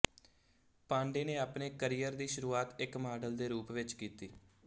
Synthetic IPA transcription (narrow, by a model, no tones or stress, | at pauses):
pãːɳɖeːneːaːpneːkəɾijəɾd̪iːʃʊɾuːaːt̪ɪkmaːɖəld̪eːɾuːpʋɪt͡ʃkiːt̪iː